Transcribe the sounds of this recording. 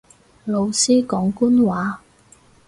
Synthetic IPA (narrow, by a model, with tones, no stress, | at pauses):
lo˨˧wsiː˥kɔː˨˥ŋkuː˥nwaː˨˥